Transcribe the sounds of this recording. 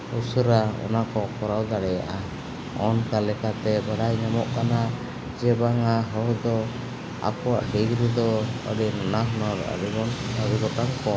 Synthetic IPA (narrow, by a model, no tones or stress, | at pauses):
usuɾaɔ̰nakɔkɔɾawd̪aɽɛja̰ʔa | ɔnkalɛkat̪ɛbəɽajɲɔmɔʔkana | d͡ʒɛbaŋaɦɔɦd̪ɔ | a̰kɔwa̰ʔɖiɡɾid̪ɔə̰ɖinɔnaɦɔnɔɾə̰ɾiɔnəɾiɡɔʈɔŋkɔ